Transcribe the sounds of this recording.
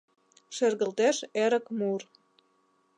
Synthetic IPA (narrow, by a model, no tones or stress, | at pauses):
ʃerɣə̆lt̪eʃeɾə̆kmur